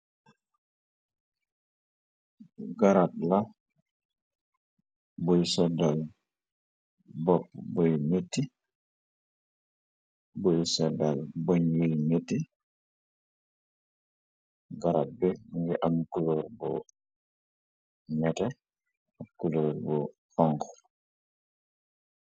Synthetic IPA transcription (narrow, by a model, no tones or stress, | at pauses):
ɡaɾat̚la | bojsɛdal | bɔpːbojnetːi | bojsɔdalbɔɲjojnetːi | ɡaɾat̚bɛŋɡɛʔamkuloɾbɔ | mɛtɛ | akuloːɾbɔ | faŋkɔ̥